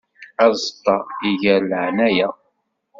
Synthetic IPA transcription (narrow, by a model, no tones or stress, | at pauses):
æzˤt̪ːɑiʝəɾləʕnæjæ